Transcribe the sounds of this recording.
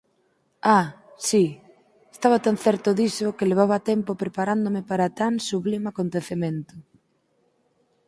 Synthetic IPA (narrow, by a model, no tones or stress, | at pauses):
a | si | e̥st̪aβat̪anθɛɾt̪ʊðisokɪleβ̞aβat̪ɛmpopɾepaɾand̪omɪpaɾat̪aŋsuβlimeakont̪eθemẽnt̪ʊ